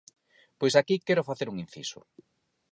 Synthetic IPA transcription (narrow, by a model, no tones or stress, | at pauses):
pojsakikɛɾʊfaθeɾuŋĩnθḭsʊ̰